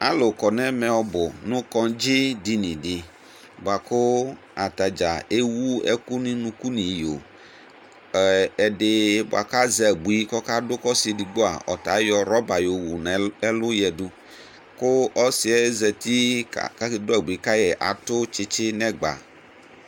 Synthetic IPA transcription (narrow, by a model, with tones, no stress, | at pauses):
a˦lo˨kɔ˨nɛ̃˦mɛ̃˨ɔ˦bʊ˨nũ˦kɔ˦d͡ʒi˦di˦nĩ˨dɪ˨ | bo˨a˨kʊ˦ | a˨t̪a˨d͡ʒa˨e˦wu˦ɛ̰˦ku˦nĩ˦nũ˦ku˦nĩ˨jo̰˨ | ɛ˨ɖɪ˦bʊ̰˨a̰˨ka˦zɛ˨bu˨i˦kɔ˦ka˦dʊ˦kɔ˦si˨di˨ɡ͡bo˦a̰˨ɔ̰˨t̪a˨˦jɔ˨ɾɔ˦ba˨jo˨wu˨n˨ɛ˦lʊ˦jɛ˨du˦ | kʊ˦ɔ˦si˨ɛ˦zɛ˨t̪i˦˨ka˦kdʊ˦a˨bu˨i˦ka˦jɛ˨ʔa̰˨t̪ʊ˦t͡ʃɪ˦t͡ʃɪ˦nɛ̃˦ɡ͡ba̰˨